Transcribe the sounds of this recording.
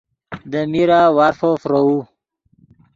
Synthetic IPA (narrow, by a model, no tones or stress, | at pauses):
d̪əmiɾawaɾfofɾou